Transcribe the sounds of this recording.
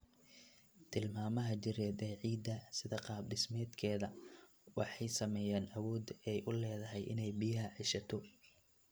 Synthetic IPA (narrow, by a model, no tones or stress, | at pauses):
t̪ʰɪlmaːmɐɦɐt͡ʃɪɾɛːd̪ɛʕiːd̪ɐsɪðɐqɑːbɖɪsmɛːd̪kʰɛːðɐ | wɑħɑjsɐmɛːjaːnʔɐwɔːd̪ɛjʔʊlɛːðɐɦɛjʔɪ̰nɛjbɪjɐɦɐʕiʃɐt̪ʰɔ